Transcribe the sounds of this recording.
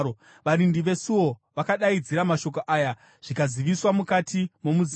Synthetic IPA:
o | ʋaɾindiʋe̞suoʋakaɗaid͡ziɾamaʃo̞k̬oʔaːja | ʐ̥ikaziʋiswamukatimo̞muz

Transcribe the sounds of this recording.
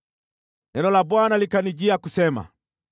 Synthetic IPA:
nɛnɔlabwanalikanid͡ʒiakusɛma̰

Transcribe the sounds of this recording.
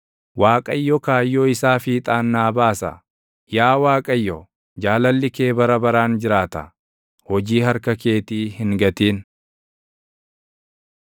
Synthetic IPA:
waːkʼɐjːɔkaːjːoːɪsaːfiːt̪ʼaːnːaːbaːsɐ̰ | jaːwaːkʼɐjːɔ | d͡ʒaːlɐlːɪke̞ːbɐɾɐbɐɾaːnd͡ʒɪɾaːt̪ɐ̰ | hɔd͡ʒiːhɐɾkɐke̞ːt̪iːhɪŋɡɐt̪iːn

